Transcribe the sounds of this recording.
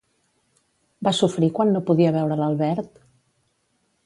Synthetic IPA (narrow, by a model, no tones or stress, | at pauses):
basufɾikwanːopuðiəβɛwɾələlˠβɛɾt̪